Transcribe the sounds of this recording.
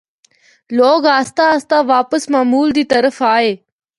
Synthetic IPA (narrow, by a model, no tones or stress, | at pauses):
loːɡaːst̪aəst̪aʋaːpəsmaːmuːld̪iːt̪əɾəfaːɦeː